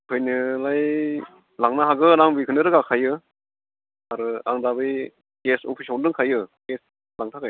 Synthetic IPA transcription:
kʰɯjnɯlaj | laŋnaɦaɡɯɾaŋbikʰɯnɯɾɯɡakʰajɯ | aɾɯa̰ŋdabɯj | ɡesopʰisawndɯŋkʰajɯɡ̥es | laŋtʰakʰaj

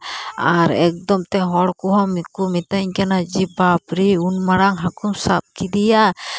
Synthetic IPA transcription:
aɾɛk̚d̪ɔmt̪ɛɦɔɽkuɦɔmikumit̪aɲkɛnad͡ʒibapɾiunmaɽaŋɦakumsa̰p̚kid̪ija

